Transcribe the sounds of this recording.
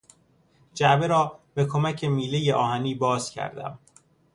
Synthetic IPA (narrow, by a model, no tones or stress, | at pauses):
d͡ʒæbeɾɒːbekʰomæcʰe̞miːlejeʔɒːhæniːbɒːz̥cʰæ̰ɾd̪æ̰m